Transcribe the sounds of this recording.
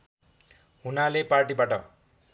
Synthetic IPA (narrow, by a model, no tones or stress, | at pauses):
ɦunaleparʈibaʈʌ̰